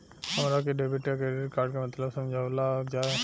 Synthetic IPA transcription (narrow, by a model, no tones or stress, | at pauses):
hɐmɾakeɖebʱiʈkakeɾeɾkaːɾɖkemɐt̪ləbsɐ̃md͡ʒʱaːʋlad͡ʒaːe